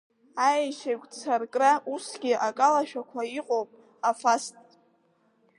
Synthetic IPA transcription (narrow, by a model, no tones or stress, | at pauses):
ajʃakʷʼt͡sʰarkʼrausɡʲɪʔakʼalaʃᶣakʷʰaiqʼowpʼ | afastʼ